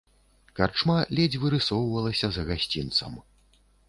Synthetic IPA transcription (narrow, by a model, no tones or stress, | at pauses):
kart͡ʂmalʲɛd͡zʲvɨɾɨsɔwvɐlˠɐsʲɐzɐɣasʲt͡sʲint̪sɐ̰m